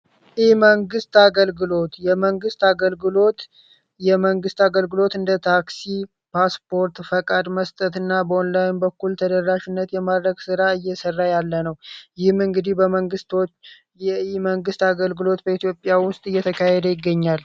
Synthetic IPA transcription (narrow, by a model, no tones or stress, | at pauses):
ʔiməŋɡɨst̪aɡəlɡɨlo̞t̪jɛməŋɡɨst̪aɡəlɡɨlo̞t̪ | jɛməŋɡɨst̪aɡəlɡɨlo̞t̪ɨnd̪ət̪ʰaksi | pʰaspʰo̞ɾt̪fəkʼad̪məst̪ʼət̪ɨnːabəonlajnbəkːult̪ʰəd̪ərːaʃɪnːət̪jɛmad̪ɾəɡsɨɾaɨjːɛsərːajalːənəwjɪhmɨŋɡɨd̪ihbəməŋɡɨst̪ʰo̞t͡ʃː | jɛiməŋɡɨst̪aɡəlɡɨlo̞t̪bəit̪jo̞pʼːjawʊst̪ʼɨjːɛt̪ʰəkʰahɛd̪əjɪɡːəɲːal